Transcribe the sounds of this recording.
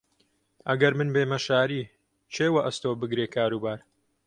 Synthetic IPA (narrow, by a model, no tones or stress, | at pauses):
ʔɐɡɐɾmɨnbeːmɐʃaːɾiː | t͡ʃʰeːwɐʔɐst̪oːbɨɡɾeːkʰaːɾuːbaːɾ